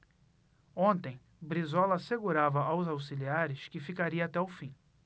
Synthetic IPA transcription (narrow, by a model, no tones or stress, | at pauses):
õnt̪ẽj̃ | bɾizɔlɐseɡuɾavɐʔawzawsiliaɾɪʃkɪfikaɾiɐːt̪ɛʊfĩ